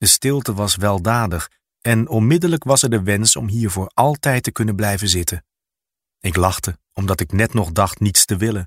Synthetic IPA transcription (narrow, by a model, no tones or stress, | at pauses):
d̥əstɪlˠtəʋɑsʋɛlˠdaːdəχ | ɛnɔnmɪdələkʋɑsɛɹdəʋɛnsɔ̰mɦiːɹvʊːɹɑlˠtɛjtəkɵnənblɛjvəzɪtən | ɪklɑχtə | ɔmdɑtɪknɛtnɔχdɑχtnitstəʋɪlən